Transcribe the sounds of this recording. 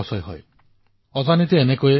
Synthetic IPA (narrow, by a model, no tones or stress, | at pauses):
ɔsɔjɦɔ̰j | ɔzanit̪eːnekoe